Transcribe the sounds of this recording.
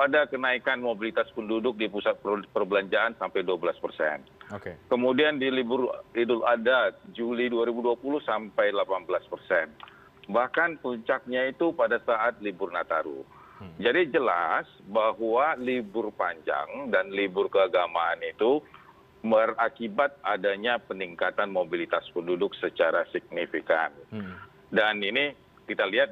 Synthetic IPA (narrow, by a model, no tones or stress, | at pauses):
adakənaikanmobilit̪aspəndudʊk̚dipusat̪̚ppərbəlaɲd͡ʒaansampajduabəlaspərsɛ̰nokekəmudiandilibʊridʊladat̪̚d͡ʒuliduaɾibuduapulʊhsampajlapanbəlaspərsɛn | bahkanpuɲt͡ʃak̚ɲait̪upadasaʔat̪̚libʊrnat̪aɾṵ | d͡ʒadid͡ʒəlasbaɦwalibʊrpaɲd͡ʒa̰ŋdanlibʊrkəaɡamaːnit̪u | bərakibat̪̚adaɲapəniŋkat̪anmobilit̪aspəndudʊk̚sət͡ʃaɾasik̚nifika̰n | danini | kit̪aliɦat̪̚